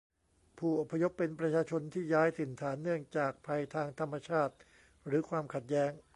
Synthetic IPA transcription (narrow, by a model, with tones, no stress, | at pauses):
pʰuː˥˩ʔo˨˩pʰːa˧jo˦˥pːe˧npɾa˧t͡ɕʰaː˧t͡ɕʰo˧nt̪ʰiː˥˩jaː˦˥jt̪ʰɯ˨˩˦nt̪ʰaː˩˦nːɯ˥˩əŋt͡ɕaː˨˩k̚pʰa˧jt̪ʰaː˧ŋt̪ʰa˧mːa˧t͡ɕʰaː˥˩t̪̚ | ɾɯː˩˦kʰwaː˧mkʰa˨˩t̪̚jɛː˦˥ŋ